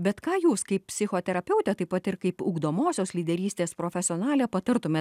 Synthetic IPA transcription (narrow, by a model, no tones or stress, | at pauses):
bʲɛt̪kɑːjuːskɐɪpppʲsʲɪxoːt̪ʲɛɾɐpʲɛʊt̪ʲɛːt̪ɐɪpɐt̪ɪɾkɐɪpʊːɡd̪oːmoːsʲoːslʲiːd̪ʲɛɾʲiːsʲt̪ʲeːspɾoːfʲɛsʲɪoːnɑːlʲeːpɐt̪ɐɾt̪ʊmʲeːt